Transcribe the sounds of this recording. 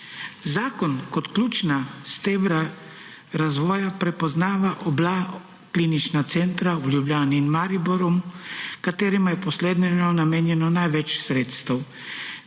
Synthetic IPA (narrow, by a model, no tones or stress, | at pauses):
zaːkɔnkɔt̪klʲuːt͡ʃnast̪eʋɾa | ɾazʋɔːjapɾɛpɔznaːʋaʔɔbla | kliːnit͡ʃnat̪sɛnt̪ɾauljublʲjaːniːnmaɾiboɾɔmkat̪eːɾimajɛpɔsleːd̪nɛnɔnameːnjɛnɔnajʋɛt͡ʃsɾeːt̪st̪aw